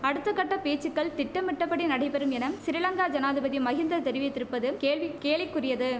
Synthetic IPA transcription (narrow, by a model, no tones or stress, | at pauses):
ɐɽɯt̪ːɐkːɐʈːɐpeːt͡ʃːɯkːɐɭt̪ɪʈːɐmɪʈːɐpːɐɽinɐɽɐɪpɛɾɯmɛnɐmsɪɾɪlɐŋɡaːd͡ʒɐnaːðɯbɐðimːɐɣɪnd̪ɐt̪ɛɾɪʋɪt̪ːɪɾɯpːɐðɯmkeːɭʋɪkːeːʋɪkːɯrɪjɐðɯ